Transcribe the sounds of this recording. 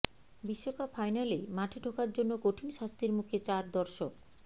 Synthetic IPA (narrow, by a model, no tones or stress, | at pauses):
biʃːokapfʰajnalemaʈʰeʈokaɾd͡ʑonːokoʈʰinʃast̪ɾiɾmukʰet͡ɕaɾd̪ɔɾʃok